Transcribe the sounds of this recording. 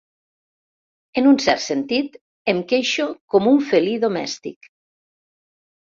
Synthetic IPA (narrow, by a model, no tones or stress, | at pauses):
enunsɛɾt̪sent̪it̪ | emkeʃokomuɱfeliðomɛ̰st̪ḭk